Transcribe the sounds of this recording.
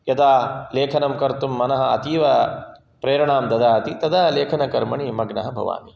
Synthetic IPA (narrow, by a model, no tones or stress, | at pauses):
jɐd̪aːleːkʰɐnɐmkɐɾt̪umːɐnɐɦɐ̆ɐ̰t̪iːʋɐ | pɾeːɾɐɳaːmd̪ɐd̪aːɐt̪it̪ɐd̪aːleːkʰɐnɐkɐɾmɐɳimɐɡɳɐɦɐbʱɐ̰ʋa̰ːni